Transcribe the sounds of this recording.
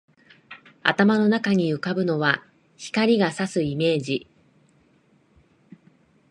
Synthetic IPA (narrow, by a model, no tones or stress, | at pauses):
a̰t̪amano̞nakaɲ̟iɯ̟kabɯ̟no̞βa | çi̥kaɾʲiɡasasɨime̞ːʑi